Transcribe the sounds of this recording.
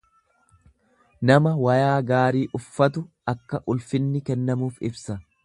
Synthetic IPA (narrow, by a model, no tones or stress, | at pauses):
nɐmɐwɐjaːɡaːɾiːʔʊfːɐt̪̬ʊʔɐkːɐʔʊlfɪnːɪkɛnːɐmuːfɪbsɐ